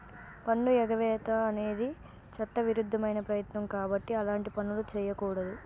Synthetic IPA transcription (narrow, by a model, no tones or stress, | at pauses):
pɐɳːuɛɡɐʋɛːt̪ɐːne̞ːd̪i | t͡ʃɐʈːɐʋiɾud̪ʱːɐmɐjnɐpɾɐjɐt̪nɐmkaːbɐʈːiɐlaːɳʈipɐnːulut͡ʃɛːjɐkuːɽɐd̪u